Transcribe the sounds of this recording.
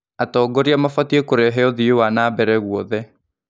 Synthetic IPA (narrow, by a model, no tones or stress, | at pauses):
atɔːɡɔɾiamafatiekoɾeɦɛɔðiewanaːbɛɾɛɣuɔðɛ